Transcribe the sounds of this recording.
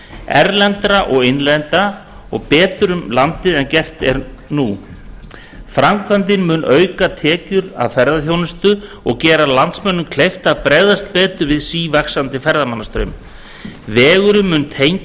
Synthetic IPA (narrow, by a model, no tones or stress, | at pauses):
ɛɾlɛnt̪ɾaʔɔɣɪjnlɛnt̪a | ɔɣpɛːt̪ʏɾʏmlant̪ɪðɛncɛr̥t̪ɛ̰ɾnu | fɾamkʰvant̪̬ɪnmʏnœːɥkat̪ʰɛːcʏɾa̰ðfɛɾðaθjownɪst̪ʏ | ɔɣcɛːɾalant̪smɛnːʏmkʰlejft̪apɾeːjðast̪̚pɛːt̪ʏɾvɪðsiːvaksant̪ɪfɛɾðamanːast̪ɾʏɥm | vɛːɣʏɾʏmːʏnt̪ʰejɲc